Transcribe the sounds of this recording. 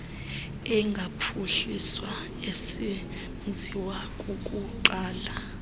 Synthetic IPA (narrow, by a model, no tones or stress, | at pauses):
ɛŋɡʱapʰuɬiswa | esi | nd͡zʱiwakʼukʼuǃaːla